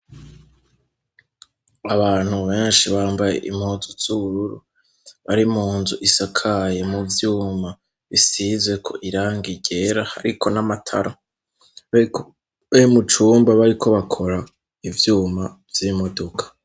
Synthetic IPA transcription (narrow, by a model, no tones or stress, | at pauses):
aβaːn̥huβeːnʃiβaːmbaje̞̰ʔim̥hozuz̥uβuɾuɾu | βaɾimuːnzuʔisakʰaje̞muvjuːma | βisizwe̞kʰo̞̰ʔiɾaːŋɡiɟe̞ɾaha̰ɾikʰo̞namatʰa̰ɾa | βaimut͡ʃuːmbaβaɾikʰo̞βakʰo̞ɾa | ivjuːmavjimo̞do̞kʰḁ